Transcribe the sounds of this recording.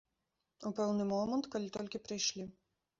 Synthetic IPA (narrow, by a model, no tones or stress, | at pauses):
ʊpʲɛlˠnɨmɔːmɛnt̪kɐlʲt̪ɔlʲkʲɪpʲɾʲɪʃʲlʲɪ